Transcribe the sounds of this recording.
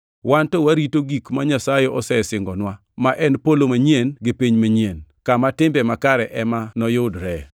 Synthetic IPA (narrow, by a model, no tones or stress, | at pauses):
wantɔwaɾitoɡikmaɲasajeɔsɛsɪŋɡɔnwa | maʔɛnpolomaɲjenɡɪpiɲmaɲienkamatɪmbɛmakaɾɛʔɛmanɔjʊdɾɛ